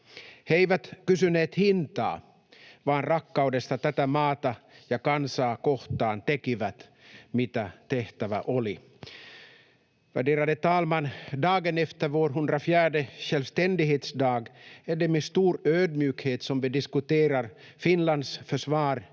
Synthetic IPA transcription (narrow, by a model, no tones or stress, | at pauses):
hɛjvat̪kʉs̬ɵnɛt̪hɪnt̪a̰ː | vaːnɾakːaɔd̪ɛst̪at̪ɛt̪amɑːt̪ajɑːkansaːkɔht̪aːnt̪ɛkivæt̪mit̪at̪ɛht̪ava̰ʔɔlɪ | væ̰ɖeːɾad̪ət̪ɑːlmand̪ɑːɡənɛft̪əɾvoːɾɦɵnd̪ɾafjæːɖəɕœlvst̪ɛnd̪ɪɦeːt̪sd̪ɑːɡæɖɛmest̪uːɾøːd̪mjʉːkheːt̪sɔmvɪd̪ɪskʉt̪eːɾaɾ | fɪnland̪sfœʂvɑːɾ